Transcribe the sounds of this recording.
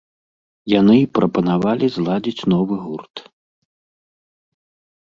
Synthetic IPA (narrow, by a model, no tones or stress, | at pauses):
janɨpɾʔɐpɐnavalʲizlˠad͡zʲit͡sʲnɔvɨɣurt̪